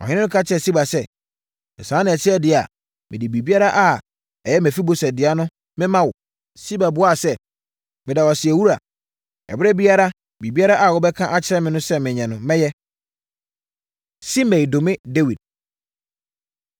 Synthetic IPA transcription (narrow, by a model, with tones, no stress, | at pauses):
ɔ̰˨ɲɪ̃˦nɪ̃˦nʊ̃˦kʰa˦t͡ɕʰɪ˦ɾɛ˨si˦ba˨sɛ˦ | ɛ˨sãː˨˦nɪ̃˨ɛ˨t͡ɕʰɪ˦ɛ˦dɪ˨a̰˨ | mʔɪ̃˨dɪ˨bi˨bi˦a˦ɾa˦ʔa˦ | ɛ˨jɛ˦mæ̃˨fi˦bo˨sɛ˨dɪ˨a˦nʊ̃˦ | mɪ̃˦mã˦wʊ˨ | si˦ba˨bʊ˨˦a˦˨sɛ˦ | mɪ̃˨da˨wɔ˨sɪ˨ɛ˨wu˦ɾa˨ | ɛ̰˨bɪ˦ɾɛ˦bi˦a˦ɾa˦ | bi˨bi˦a˦ɾa˦ʔa˨wɔ˨bɛ˦kʰã˦ʔa˦t͡ɕʰɪ˦ɾɛ˦mɪ̃˨nʊ̃˦sɛ˦mɪ̃˨ɲɛ̃˨nʊ̃˨mɛ̃˦jɛ˦ | si˦mɛ̃˨i˨do˨mɪ̃˦de˦wi˨d̚